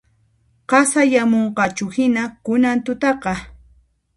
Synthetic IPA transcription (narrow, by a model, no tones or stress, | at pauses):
ɢɑsajamoɴɢɑt͡ʃʊhɪnakʊnant̪ʊt̪ɑqɑ